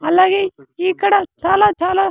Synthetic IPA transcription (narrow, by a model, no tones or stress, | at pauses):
ɐlaɡiiːkəɽat͡ʃaːlaːt͡ʃʰaːla